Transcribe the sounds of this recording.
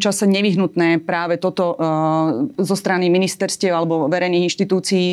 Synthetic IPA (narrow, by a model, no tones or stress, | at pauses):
t͡ʃasɛɲɛʋiɦnut̪nɛːpɾaːʋɛt̪ɔt̪ɔ | zɔst̪ɾaniminist̪ɛɾscɪɛʊalɛbɔʋɛɾɛjniːɣinʃt̪it̪uːt͡siː